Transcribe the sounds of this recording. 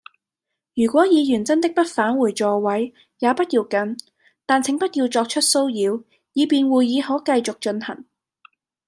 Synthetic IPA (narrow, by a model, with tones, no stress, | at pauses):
jyː˨˩kʷwɔː˨˥jiː˨˧jyː˨˩nt͡sɐ˥nt̪ɪ˥k̚pɐ˥t̚faː˨˥nwuː˨˩jt͡sɔː˨˧wɐ˨˥j | jaː˨˧pɐ˥t̚jiː˧wkɐ˨˧n | t̪aː˨nt͡sʰɪ˨˥ŋpɐ˥t̚jiː˧wt͡sɔː˧k̚t͡ʃʰɵ˥t̚so˥wjiː˨˧w | jiː˨˧piː˨˧nwuː˨˩jːiː˨˧ɦɔː˨˥kɐ˧jt͡sʊ˨k̚t͡ʃɵ˧nhɐ̰˨˩ŋ